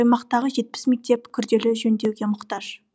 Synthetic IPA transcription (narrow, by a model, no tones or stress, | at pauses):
ɑjmɑqt̪ɑʁəʒe̞t̪̚pɪ̥sme̞k̚t̪e̞pkʲʰʏɾd̪e̞lɪʒɵnd̪e̞wɡʲe̞mʊqt̪ɑʒ